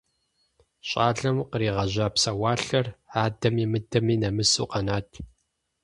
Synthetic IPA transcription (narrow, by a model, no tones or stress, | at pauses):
ɕʼaːɮɐmqəɾiːʁɐʑaːpsɐwaːɬɐraːdɐmimɨdɐmiːnɐmɨsṵːqɐnaːtʰ